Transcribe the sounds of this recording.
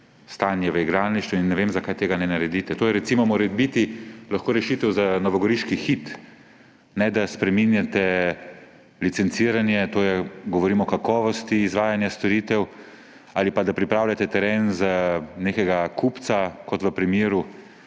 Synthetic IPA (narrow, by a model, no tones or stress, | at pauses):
st̪aːnjɛʋəiɡɾaːniʃt̪ʋuinːɛʋemzakajt̪eːɡanɛnaɾɛd̪iːt̪ɛt̪oːjɛɾɛt̪simɔmoɾɛbit̪ilaxkoːɾɛʃiːt̪ɛwzanɔʋɔɡɔɾiʃkixit̪ | nɛd̪aspɾɛminjat̪ɛ | lit̪sɛnt̪siːɾanjɛt̪oːjɛɡɔʋɔɾiːmɔɔkakɔːʋɔst̪iːzʋaːjanjast̪ɔɾit̪ɛw | aːlipad̪apɾipɾaːwlʲjat̪ɛt̪ɛɾeːnzaneːkɛɡakʰupt̪sakɔt̪ʋəpɾimjeːɾu